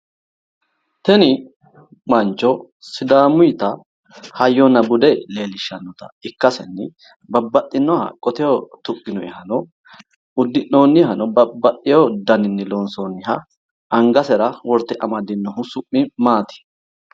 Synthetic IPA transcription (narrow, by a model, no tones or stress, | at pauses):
t̪ɛnɪ | mɐnt͡ʃːɔ | sɪd̪aːmʊjt̪ɐ | hɐjːɔnɐbʊd̪ɛle̞ːlɪʃːɐnːɔt̪ɐ̰ɪkːɐsɛnːɪ | bɐbːɐt̪ʼːɪnːɔhɐ̰kʼɔt̪ɛjot̪ʊkʼːɪnɔɛhɐnɔ | ʊd̪ːɪnoːnːɪhɐnɔbɐbːɐt̪ʼːɪjod̪ɐnɪnːɛlɔnsoːnːɪɦɐ | ɐŋɡɐsɛɾɐwɔɾt̪ːɛʔɐmɐd̪ɪnːɔɦʊsʊʔːɪmaːt̪ɪ̥